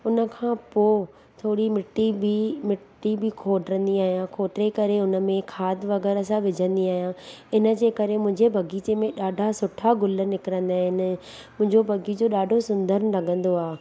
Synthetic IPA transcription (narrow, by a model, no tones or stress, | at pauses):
ʊnə̆kʰãːpoː | t̪ʰoːɽimɪʈːibimɪʈːibʱikʰoːɖɾə̃nd̪iaːɦijãkʰoːʈ̪ɪɾekɐɾeʊnə̆mẽkʰaːd̪ʋɐɣɛːɾəsãʋɪd͡ʑʱə̃nd̪iaːɦijãɪnə̆d͡ʑeːkɐɾemʊ̃ɪ̃ɲd͡ʑebʱɐɡiːt͡ɕemẽɗaːɖʱasʊʈʰaɡʊlənɪkɪɾə̃nd̪aːɦɪnə | mʊ̃ɦɪ̃ɲd͡ʑobʱɐɡid͡ʑoːɗaːɖʱosʊ̃nd̪əɾnlɐɡʱə̃nd̪oaːɦe